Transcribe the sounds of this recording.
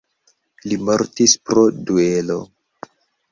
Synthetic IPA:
limo̞ɾtispɾo̞due̞lo̞̰

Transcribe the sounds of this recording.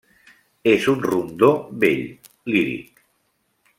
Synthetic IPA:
ezunrund̪oβḛʎ | liɾḭk

